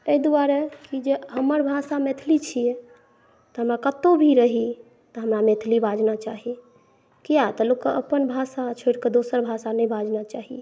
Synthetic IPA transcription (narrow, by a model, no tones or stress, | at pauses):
eid̪uaɾekid͡ʒeɦəməɾbʱasamet̪ʰlit͡ʃʰije | t̪ɔɦəmɾakət̪obʱiɾəɦi | t̪əɦəmɾamet̪ʰlibʱad͡ʒnat͡ʃaɦi | kijat̪əlukːəʔəpənbʱasat͡ʃʰoʈked̪osəɾbʱasanəjbʱad͡ʒnat͡ʃaɦi